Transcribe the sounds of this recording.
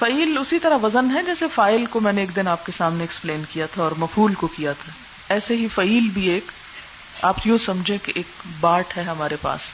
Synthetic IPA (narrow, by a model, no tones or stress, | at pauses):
fɐiːlʊsit̪ɐɾaʋɐzənɦɛd͡ʒɛːsefaːɪlkomɛ̃ːneːk̚d̪ɪnaːp̚kesaːmneɛkspleːnkijat̪ʰaɔːɾmɐfuːlkokijat̪ʰa | ɛːseɦifɐiːlbʱieːk | a̰ːpjũsɐmd͡ʒʱẽkeʔeːk̚baːʈɦɛɦɐmaːɾepa̰ːs